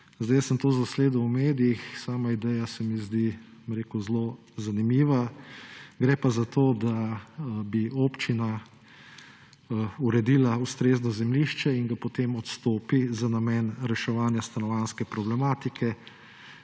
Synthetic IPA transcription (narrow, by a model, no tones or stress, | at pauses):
zd̪ɛjəsəmt̪ozasleːd̪umeːd̪ijixsaːmaid̪ɛjasɛmizd̪imɾeːkuzlo | zanimiːʋa | ɡɾɛpazat̪oːd̪a | bioːpt͡ʃina | uɾɛd̪iːlaust̪ɾeːznɔzɛmliʃt͡ʃɛiŋɡapot̪eːmɔt̪st̪oːpizanamɛːnɾɛʃɛʋaːnjast̪anɔʋanskɛpɾɔblɛmaːt̪ikʰɛ